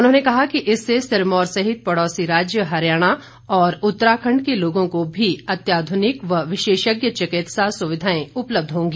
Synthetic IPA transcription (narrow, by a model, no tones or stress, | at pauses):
ʊnɦõːnekɐɦakiʔɪsːesɪɾmɔːɾsɐɦɪt̪̚pɐɽɔːsiɾaːd͡ʒjəɦɐɾjaːɽ̃a | ɔːɾʊt̪ːəɾaːkʰə̃ɳɖkeloːɡõkobʱiɐt̪jaːd̪ʱʊnɪkʋɐʋɪʃeːʃəɡjət͡ʃɐkɪt̪sasʊʋɪd̪ʱaːẽʊpləb̚d̪ʱɦõːŋɡiː